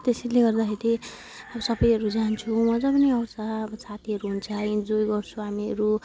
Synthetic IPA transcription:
t̪esʌleɡʌrd̪akʰeɾi | asʌbʌjʌɾud͡zant͡sʰumʌd͡zʌpʌniʌwsaʌsʰat̪ʰiɦʌɾuɦunt͡sʰaind͡zojɡʌrt͡sʰuɦamiʌɾu

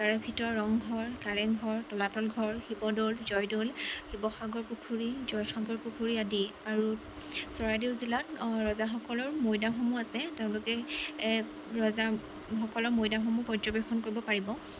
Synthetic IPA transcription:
kaɹɔbʱitɔɹːɔŋɡʱɔɹkaɹɛŋɡʱɔɹtɔlatɔlɡʱɔɹxibɔdolzɔjdolxibɔxaɡɔɹpukʰuɹizɔjxaɡɔɹpukʰuɹiadiaɹu | sɔɹadewzilatɹɔzaxɔkɔlɔɹmojdaxomuasɛteʊ̃lʊkɛ | ɹɔza | xɔkɔlɔɹmojdaxɔmupɔzɔbɛxʰɔnkoɹibɔpaɹibɔ

